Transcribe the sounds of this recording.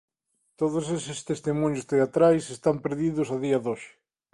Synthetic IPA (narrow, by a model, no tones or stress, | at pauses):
t̪oð̞ʊsesɪst̪est̪imũɲʊst̪eat̪ɾajsest̪ampeɾðiðʊsaðiɐðoʃɪ̥